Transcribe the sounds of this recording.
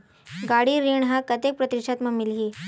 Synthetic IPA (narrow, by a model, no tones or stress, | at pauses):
ɡaɽiɾiɳɦakət̪ek̚pɾət̪iʂat̪mɐmilɦi